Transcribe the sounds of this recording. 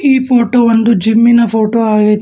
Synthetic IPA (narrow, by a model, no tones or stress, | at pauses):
iːpʰoːʈoːond̪ud͡ʒimːinɐpʰoːʈoːaːɡɐt̪